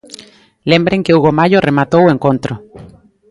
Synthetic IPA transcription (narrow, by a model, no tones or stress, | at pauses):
le̞mbɾeŋkeuɣomaʝoremat̪oweŋkont̪ɾo